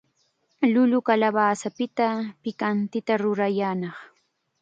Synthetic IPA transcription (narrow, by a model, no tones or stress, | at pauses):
lʊlʊkalaβaːsapɪt̪apɪkant̪ɪt̪aɾʊɾajaːnɑχ